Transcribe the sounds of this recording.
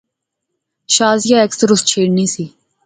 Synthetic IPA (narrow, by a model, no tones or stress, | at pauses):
ʃaːzjaːeksəɾʊst͡ʃʰeːɽniːsiː